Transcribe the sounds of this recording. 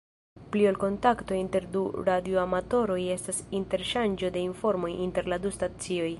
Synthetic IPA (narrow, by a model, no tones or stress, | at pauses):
pliolko̞ntakto̞inte̞ɾduɾadioamato̞ɾo̞je̞stasinte̞ɾʃand͡ʒo̞de̞info̞ɾmo̞jinte̞ɾladustat͡sio̞j